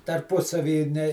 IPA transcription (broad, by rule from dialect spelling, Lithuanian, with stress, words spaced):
tɐrˈpʊsɐʋʲiː nʲɛ